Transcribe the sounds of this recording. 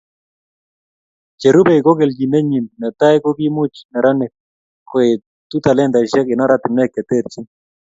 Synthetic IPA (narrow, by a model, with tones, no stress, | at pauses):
t͡ʃe˨ɾu˦bɛ˦ko˦ɡɛ˨ld͡ʒi˨nɛ˦ɲi˨nna˨t̪a˦jko˦ki˦mu˦t͡ʃnɛ˨ɾa˦nɛ˨ | ko˨e˨ | t̪u˦t̪a˨lɛ˦nd̪a˨ʃɛ˦kɪ˨na˦ɾat̪ɪ˨mnɛ˦kːɛ˨t̪ɛ˦˨ɾt͡ʃi˦n